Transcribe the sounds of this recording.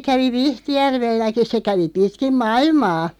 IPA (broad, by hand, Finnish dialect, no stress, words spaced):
kæʋi ʋihtijærʋelːæki se kæʋi pitkim mɑilmɑː